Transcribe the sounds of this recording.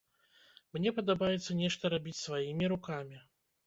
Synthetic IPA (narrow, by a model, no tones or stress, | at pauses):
mnʲɛpɐd̪abajɛt̪sːɐnʲɛʂt̪ɐɾabʲit͡sʲsvajimʲiɾukamʲi